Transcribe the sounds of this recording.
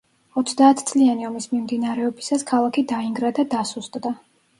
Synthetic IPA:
ɔt̪sʰd̪aːt̪ʰt̪sʼlianiɔmismimd̪inaɾɛɔbisaskʰalˠakʰid̪aiŋɡɾad̪ad̪asust̪ʼd̪a

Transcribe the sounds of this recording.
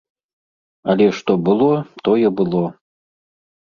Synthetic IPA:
ɐlʲɛʂt̪ɔbɨlˠɔt̪ɔjɛbɨlˠɔ

